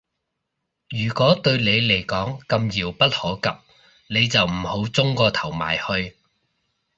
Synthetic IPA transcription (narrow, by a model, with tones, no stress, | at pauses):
jyː˨˩kʷɔː˨˥t̪ɵ˧ɥne˨˧jle˨˩jkɔː˨˥ŋkɐ˧mjiː˨˩wpɐ˥t̚hɔː˨˥kɐ˨p̚ | ne˨˧jt͡sɐ˨wm̩˨˩ho˨˥wt͡sʊ˥ŋkɔː˧t̪ʰɐ˨˩wma̰ː˨˩jhɵ˧ɥ